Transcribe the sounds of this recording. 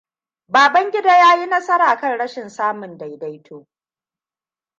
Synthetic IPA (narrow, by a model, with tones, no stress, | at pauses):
baː˨bɐ˦ŋɡʲɪ˦daː˦jaː˦ji˦nɐ˦sɐ˦ɾaː˨kɐ˦˨nɽɐ˦ʃɪ˨nsaː˦mʊ˨nda˨jda˦jtʰoː˦